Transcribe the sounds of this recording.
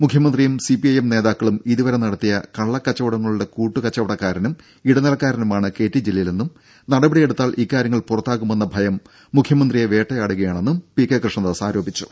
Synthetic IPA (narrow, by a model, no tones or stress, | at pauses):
mukʰjɐmɐnd̪rijumsipijɐjemne̞ːðaːkːɐɭumiðiʋɐɾɐmnɐɽɐt̪ːijɐkɐɭːɐkːɐt͡ɕːɐʋɐɽɐŋːɐɭuɽe̞kuːʈːukɐt͡ɕːɐʋɐɽɐkːaːɾɐnum | iɽɐnilɐkːaːɾɐnumaːɳɨke̞ːtːid͡ʑilːɐjilenːum | nɐɽɐbɐɽijeɽut̪ːaːlʔiːkːaːɾjɐŋːɐɭpurɐt̪ːaːkːume̞nːɐbʱɐjɐmː | ukʰjɐmɐnd̪rijeʋe̞ːʈːɐjaːɽuɣɐjaːɳe̞nːumpikːekrʂɳɐnd̪asaːɾo̞ːbʱit͡ɕːu̥